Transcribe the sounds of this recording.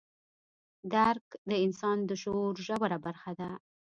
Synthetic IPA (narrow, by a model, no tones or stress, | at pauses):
d̪aɾkd̪əɪnsɑnd̪əʃoɾʒawaɾabaɾxad̪a